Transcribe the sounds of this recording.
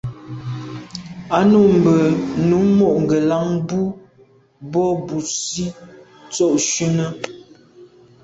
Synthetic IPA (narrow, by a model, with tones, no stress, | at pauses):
a˦nu˨m̩˨bə˨nu˨˦mo˦˨ʔŋ̩˨ɡə˨la˦ŋbu˦ | bɔ˦˨bu˨si˦ | t͡sɔ˦˨ʔʃi˦nə˦